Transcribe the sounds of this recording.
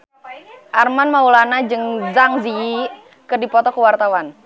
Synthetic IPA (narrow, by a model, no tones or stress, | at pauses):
ʔarmanmaulanad͡ʒɨŋzaŋzi | kɨrdipɔt̪ɔkəwart̪awan